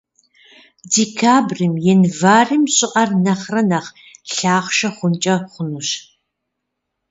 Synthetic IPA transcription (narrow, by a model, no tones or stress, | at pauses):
dikʰaːbrɨmjɛnvaːrɨmɕʼɪʔɐrnɐχrɐnɐχ | ɬaːχʷʃɐχʷʊnt͡ʃʼɐχʷʊnuɕ